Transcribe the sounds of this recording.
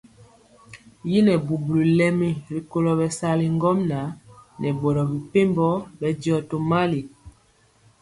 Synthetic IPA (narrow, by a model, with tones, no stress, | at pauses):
ji˦nɛ˨bu˨bu˨lu˨lɛ˦mi˨ɾi˨ko˦lɔ˨bɛ˨sa˦li˨ŋ˦ɡɔ˦mna˨˦nʔɛ˨bɔ˨ɾɔ˨bi˨pe˦mbɔ˦bɛ˨dɔ˨to˨ma˦li˨